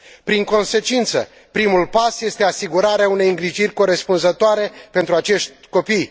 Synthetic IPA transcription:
pɾiŋko̞nse̞t͡ʃint̪sə̰ | pɾimulpasje̞st̪e̞asiɡuɾaɾeaune̞jɨŋɡɾiʒirʲko̞ɾe̞spunzət̪oaɾe̞pe̞nt̪ɾuat͡ʃe̞ʃt̪ʲko̞pij

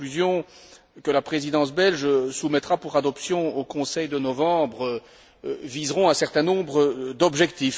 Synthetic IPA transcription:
yzjɔ̃ | kəlapχezid̪ɑ̃s̬bɛlʒsumɛt̪χapuʁad̪ɔpsjɔ̃okɔ̃sɛjd̪ənɔvɑ̃bʁə | vizʁɔ̃ɛ̃sɛʁt̪ɛ̃nɔ̃bʁəd̪ɔbʒɛkt̪if

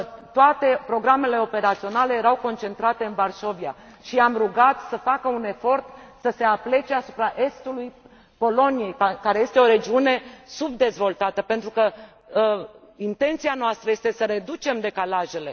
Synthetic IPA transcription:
t̪oat̪e̞pɾo̞ɡɾame̞le̞o̞pe̞ɾat̪sio̞nale̞jeɾawko̞nt͡ʃe̞nt̪ɾat̪e̞ɨnvarʃo̞via̰ | ʃiamruɡat̪səfakəune̞fo̞rt̪səse̞aple̞t͡ʃeasu̥pɾaʔe̞st̪uluj | po̞lo̞nije̞jakaɾe̞je̞st̪eo̞ɾe̞d͡ʒiune̞subd̪e̞zvo̞lt̪at̪əpe̞nt̪ɾukə | int̪e̞nt̪sianoast̪ɾəje̞st̪esəɾe̞d̪ut͡ʃe̞md̪e̞kalaʒe̞le̞

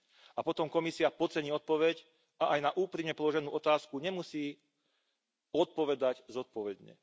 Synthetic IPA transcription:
apɔt̪ɔmkɔmisiapɔt͡sɛɲiːɔt̪̚pɔʋɛɟ | aʔajnaʔuːpɾimɲɛpɔlɔʒɛnuːʔɔt̪aːskuɲɛmusiː | ɔt̪̚pɔʋɛd̪aɟzɔt̪̚pɔʋɛd̪ɲɛ̰

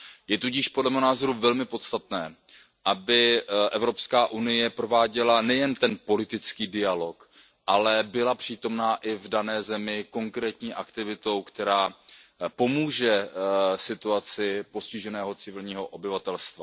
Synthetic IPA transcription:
jɛt̪uɟɪʃpodlɛmɪɦonaːzo̞ɾuvɛlmɪpo̞t̪st̪at̪nɛː | ʔabɪʔɛvɾo̞pskaːʔunɪjɛpɾo̞vaːɟɛlanɛjɛnt̪ɛnpo̞lɪt̪ɪt͡skiːdɪalo̞k | ʔalɛbɪlapr̥iːt̪o̞mnaːʔɪvdanɛːzɛmɪko̞ŋkɾɛːt̪ɲiːʔakt̪ɪvɪt̪o̞wkt̪ɛɾaːpo̞muːʒɛsɪt̪uat͡sɪpo̞scɪʒɛnɛːɦo̞t͡sɪvɪlɲiːɦo̞ʔo̞bɪvat̪ɛlst̪va

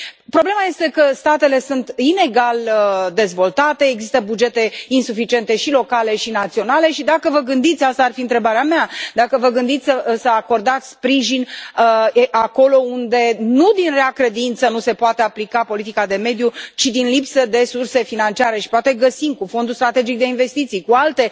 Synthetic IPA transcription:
pɾo̞ble̞maje̞st̪e̞kəst̪at̪e̞le̞sunt̪ine̞ɡaləd̪e̞zvo̞lt̪at̪e̞ːɡzist̪əbud͡ʒe̞t̪e̞insufit͡ʃie̞nt̪e̞ʃilo̞kale̞ʃinat̪sio̞nale̞ʃid̪akəvəɡɨnd̪it̪sʲast̪aːrfiɨnt̪ɾebaɾeamead̪akəvəɡɨnd̪it̪sʲəsəako̞rd̪at̪sʲspɾiʒinəʔako̞lo̞und̪e̞nud̪inreakɾe̞d̪int̪sənuse̞poat̪eaplikapo̞lit̪ikad̪e̞me̞d̪jut͡ʃid̪inlipsəd̪e̞surse̞finant͡ʃiaɾe̞ʃi̥poat̪e̞ɡəsimkufo̞nd̪ust̪ɾat̪e̞d͡ʒik̚d̪e̞inve̞st̪it̪sijkualt̪e̞

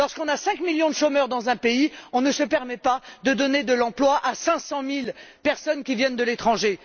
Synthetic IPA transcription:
lɔʁskɔ̃nasɛ̃kmiljɔ̃d̪əʃomœʁd̪ɑ̃zɛ̃peiɔ̃nəsəpɛʁmɛpad̪əd̪ɔned̪əlɑ̃plwaʔasɛ̃sɑ̃milpɛʁsɔnkʲivjɛnd̪əlet̪χɑ̃ʒe

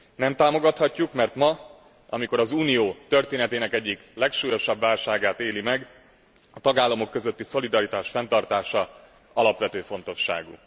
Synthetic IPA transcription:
nɛmt̪aːmo̞ɡɒt̪hɒcːukmɛrt̪mɒ | ɒ̰miko̞ɾɒzuːnijoːt̪ø̞rt̪eːnɛt̪eːnɛkɛɟːiklɛkʃuːjo̞ʃɒbːaːlʃaːɡaːt̪eːlimɛɡ | ɒt̪ɒɡaːlːɒmo̞kːø̞zøt̪ːiso̞lid̪ɒɾit̪aːʃfɛnt̪ɒrt̪aːʃɒ | ɒlɒpʋɛt̪øːfo̞n̪t̪o̞ʃːa̰ːɡṵ

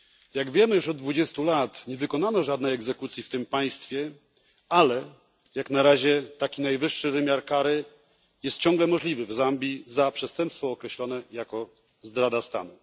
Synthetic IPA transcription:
jaɡvʲjɛmɘjuʂɔd̪̚ːd̪vud͡ʑɛst̪ulat̪ɲɛvɘkɔn̪anɔʐad̪nɛjɛɡzɛkut̪sʲjift̪ɘmpaj̃st̪fʲjɛ | alɛ | jaknaɾaʑɛt̪akʲinajvɘʂːɘvɘmʲjaɾkaɾɘ | jɛst̪̚t͡ɕɔ̃ŋɡlɛmɔʐlʲivɘvzambʲizapʂɛst̪ɛmpst̪fɔːkɾɛɕlɔn̪ɛjakɔ | zd̪ɾad̪ast̪a̰nu

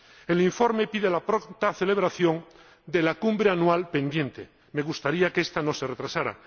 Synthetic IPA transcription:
e̞liɱfo̞ɾme̞pið̞elapɾokt̪aθele̞β̞ɾaθjo̞n | d̪e̞lakumbɾeanuwalpẽ̞nd̪je̞nt̪e̞̰ | me̞ɣust̪aɾiakest̪ano̞seret̪ɾasaɾa̰

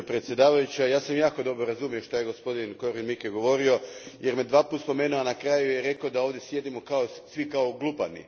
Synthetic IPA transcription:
pɾet̪sje̞d̪aːʋajut͡ɕajaːsamjaːko̞d̪o̞bɾo̞ɾazumioʃt̪aje̞ɡo̞spo̞d̪inko̞ɾinmikeɡo̞ʋo̞ɾio̞je̞ɾme̞d̪ʋaːput̪spo̞me̞ːnuanakɾaːjujeɾe̞kaod̪ao̞ʋd̪jesje̞d̪imokaosʋikao̞ɡlˠupanḭ

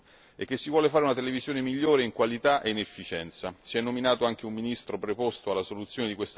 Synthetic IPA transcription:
ek̟ːesːivwɔːlefaːɾeunat̪elevizjoːnemiʎːoːɾeiŋkwalit̪aʔeinefːit͡ʃɛnt̪sasiɛnːominaːt̪oaŋk̟eumːinist̪ɾopɾepost̪oalːasolut̪sːjoːned̪ikwest̪

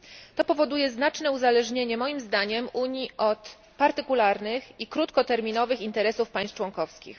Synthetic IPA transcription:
t̪ɔpɔvɔd̪ujɛznat͡ʂnɛuzalɛʐɲeɲɛmɔjimzd̪aɲɛmʔuɲiʔɔt̪ | paɾt̪ɘkulaɾnɘxikɾut̪kɔt̪ɛɾmʲinɔvɘxint̪ɛɾɛsufpaj̃st͡ʂwɔŋkɔfskʲḭx

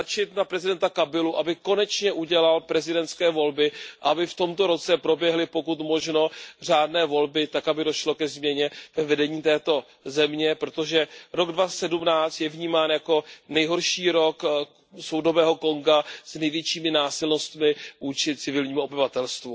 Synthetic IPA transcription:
at͡ʃɪt̪napɾɛzɪdɛnt̪akabɪluʔabɪko̞nɛt͡ʃɲɛʔuɟɛlalpɾɛzɪdɛnt̪skɛːvo̞lbɪʔa̰ʔabɪft̪o̞mt̪o̞ɾo̞t͡sɛpɾo̞bjɛɦlɪpo̞kut̪mo̞ʒno̞r̝aːdnɛːvo̞lbɪt̪akabɪdo̞ʃlo̞kɛzmɲɛɲɛvɛvɛdɛɲiːt̪ɛːt̪o̞ | zɛmɲɛpɾo̞t̪o̞ʒɛɾo̞ɡdvasɛdumnaːt͡st̪jɛvɲiːmaːnjako̞nɛjɦo̞ɾʃiːɾo̞k | so̞wdo̞vɛːɦo̞ko̞ŋɡasnɛjvjɛt͡ʃiːmɪnaːsɪlnost̪mɪvuːt͡ʃɪt͡sɪvɪlɲiːmuobɪvat̪ɛlst̪vu

